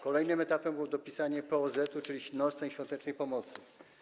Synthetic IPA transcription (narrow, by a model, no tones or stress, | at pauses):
kɔlɛjnɘmɛt̪apɛmbɘwɔd̪ɔpʲisaɲɛpɛɔzɛt̪ut͡ʂɘlʲiɕnɔsɛjɕfʲjɔnt̪ɛt͡ʂnɛjpɔmɔt̪sɘ